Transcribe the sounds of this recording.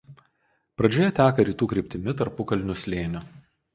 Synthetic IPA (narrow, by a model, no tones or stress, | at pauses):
pɾɐd͡ʒʲoːjɛt̪ʲæːkɐɾʲiːt̪uːkɾʲɪˑpʲt̪ʲɪmʲɪt̪ɐɾpʊkɐlʲnʲʊsʲlʲeːnʲʊ